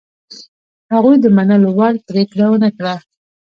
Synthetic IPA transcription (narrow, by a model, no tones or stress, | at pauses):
haɣujd̪əmanalowɑɽt̪ɾekɽawənakɽa